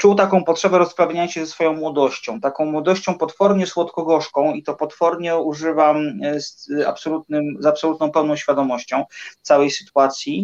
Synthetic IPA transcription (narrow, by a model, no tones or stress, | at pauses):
t͡ʂuwt̪akɔ̃w̃pɔtʂɛbɛɾɔspɾavʲjaɲaɕɛzɛsfɔjɔ̃w̃mwɔd̪ɔɕt͡ɕɔ̃w̃t̪akɔ̃w̃mwɔd̪ɔɕt͡ɕɔ̃w̃pɔt̪fɔɾɲɛswɔt̪kɔɡɔʂkɔ̃w̃it̪ɔpɔt̪fɔɾɲɛuʐɘvamsa̰psɔlut̪̚nɘmzapsɔlut̪nɔ̃w̃pɛwnɔ̃w̃ɕfʲjad̪ɔmɔɕt͡ɕɔ̃w̃t̪sawɛjsɘ̥t̪uat̪sʲji